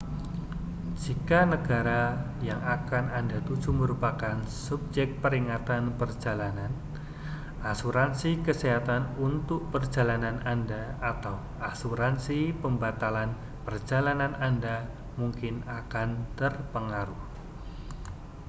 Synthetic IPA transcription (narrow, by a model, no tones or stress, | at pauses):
d͡ʒikanəɡaɾa | jaŋakanandat̪u̥d͡ʒ̥uməɾupakansub̚d͡ʒɛk̚t̪̚pəɾiŋat̪anpərd͡ʒalanan | ʔasuɾansikəseɦat̪anunt̪ʊk̚pər̥d͡ʒalananandaat̪aw | asuɾansipəmbat̪alan | pərd͡ʒalananʔanda | muŋkɪnakant̪ərpəŋaɾuh